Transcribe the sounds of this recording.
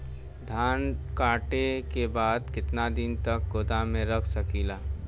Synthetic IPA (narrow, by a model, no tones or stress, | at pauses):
d̪ʱaːnkaːʈekebaːd̪kɪt̪nad̪ɪnt̪ək̚ɡoːd̪amẽɾəkʰsɐkilaː